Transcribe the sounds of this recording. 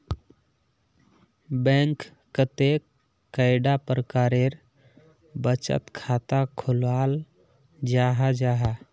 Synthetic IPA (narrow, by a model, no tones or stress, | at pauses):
bɛ̃ŋkː | ət̪e | əɪɖapɾəkaːɾeɾ | bət͡ʃə̰t̪kʰaːt̪akʰʊlwaːl | d͡ʒaɦad͡ʒaːɦa